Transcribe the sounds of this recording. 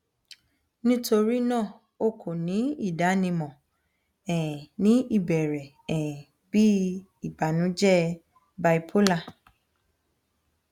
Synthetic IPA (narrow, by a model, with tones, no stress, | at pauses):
nĩ˦to˧ɾi˦nãː˦˨ | o˦kʰo˨nĩ˨˦i˦˨da˨˦nĩ˧mɔ̃˨ | ɛ̃˨nĩ˨˦i˦˨bɛ˨ɾɛ˨ | ɛ̃˨ | bi˦ | i˦˨ba˨˦nũ˨˦d͡ʒɛ˦ | ba˧i˧pʰo˦la˦˨